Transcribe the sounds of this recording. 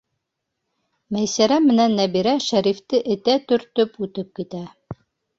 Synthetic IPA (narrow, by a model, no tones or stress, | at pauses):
mæjsæɾæmɘ̆nænːæbiɾæʃæɾift̪ɘʔɘ̆t̪æt̪ɵ̆ɾt̪ɵpʉt̪ɘp̚kit̪æ